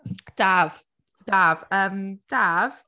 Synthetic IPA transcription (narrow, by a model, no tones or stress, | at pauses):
d̥av̥ | d̥avəmd̥av̥